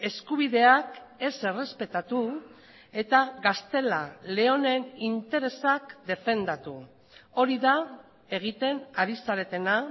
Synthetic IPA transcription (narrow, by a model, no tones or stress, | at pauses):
e̞skuβ̞iðe̞ake̞se̞re̞spe̞t̪at̪u | e̞t̪aɣast̪e̞lale̞o̞ne̞nint̪e̞ɾe̞sakd̪e̞fe̞nd̪at̪u | o̞ɾiða | e̞ɣ̞it̪e̞naɾisaɾe̞t̪e̞na